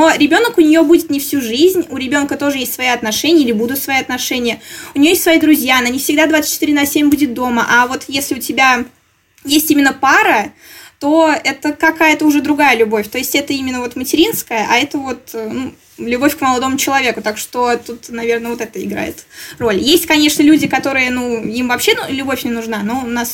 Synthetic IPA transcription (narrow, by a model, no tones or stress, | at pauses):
no̞ɾʲɪbʲo̞nəkʊnʲɪjo̞budʲɪt̪nʲɪfsʲuʐɨzʲnʲʊɾʲɪbʲo̞nkət̪o̞ʐɨjesʲt̪ʲsvɐiɐt̪nɐʂɛnʲɪjəilʲɪbud̪ʊt̪svɐjiɐt̪nɐʂɛnʲɪjəʊnʲɪjoesʲtsvɐid̪ɾʊzʲjanɐnʲifsʲɪɡd̪ad̪vat̪sɨ̥t͡ɕːɪt̪iɾʲɪnasʲemʲbudʲɪt̪̚d̪o̞məʔavo̞t̪jesʲlʲɪʊtʲɪbʲa | jesʲtʲimʲɪnːəpaɾə | t̪o̞ɛt̪əkɐkajət̪əʊʐɛd̪ɾʊɡajəlʲʊbo̞fʲt̪o̞ɪsʲtʲɛt̪əimʲɪnːəvo̞t̪mətʲɪɾʲinskəjəʔaɛt̪əvo̞t̪ənu | lʲʊbo̞fʲkməlˠɐd̪o̞mʊt͡ɕɪlˠɐvʲe̞kʊt̪akʂt̪o̞t̪ut̪nɐvʲe̞rnəvo̞t̪ɛt̪əɪɡɾa̰jɪ̰t̪ro̞lʲjesʲtʲkɐnʲe̞ʂnəlʲudʲɪkɐt̪o̞ɾɨjənuimvɐpɕːenlʲʊbo̞fʲnʲɪnʊʐnano̞ʊnas